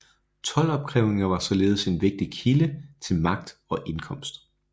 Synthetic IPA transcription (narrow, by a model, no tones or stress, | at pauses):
t͡sʰɒ̽lɒ̽b̥̚kʰʁɛʊe̝ŋɐʋɑ̈sɒ̽le̝ːð̞̩ˠəse̝nʋe̝ɡ̥̚d̥ikʰilət͡sʰe̝lmɑ̈ɡ̥̚d̥ɒ̽ʔe̝nkʰɒ̽m̰sd̥